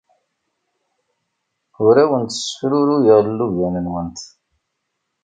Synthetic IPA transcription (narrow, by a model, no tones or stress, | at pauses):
ʊɾæwənt̪ə̥sːəfɾuɾujəʁllːuvænənwənt̪